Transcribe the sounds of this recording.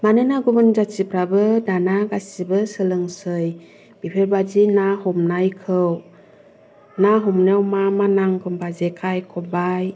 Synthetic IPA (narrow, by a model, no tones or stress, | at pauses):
manɯnaɡubɯnd͡ʒat͡ʃipɾabɯdanaɡasibɯsɯlɯŋsɯj | b̥ipʰebad͡ʒinaɦɔmnajkʰɯw | naɦɔmnewmamanaŋkʰɯmbazekʰajkʰɔbaj